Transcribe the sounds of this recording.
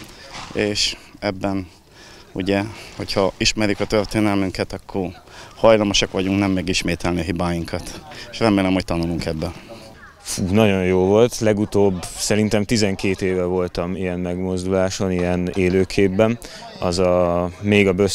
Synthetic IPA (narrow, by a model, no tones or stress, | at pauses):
eːʃɛbːɛn | uɟɛho̞cʰhɒiʃmɛɾjykɒt̪ørt̪eːnɛlmyŋkɛt̪ɒkʰːor | hɒjlɒmoʃɒkʋɒɟuŋknɛmːɛɡiʃmeːt̪ɛlniɒɦibaːjiŋkʰɒt̪eʃrɛmeːlɛmho̞c̚t̪ɒnuluŋkɛbːɛ | fuːnɒɟo̞jjoːvo̞lt̪lɛɡut̪oːbsɛɾint̪ɛmt̪izɛŋkeːt̪eːvɛvo̞lt̪ɒmijɛmmɛɡmo̞zd̪ulaːʃo̞nijɛneːløːkʰeːbːɛn | ɒ̰zɒmeːɡɒbø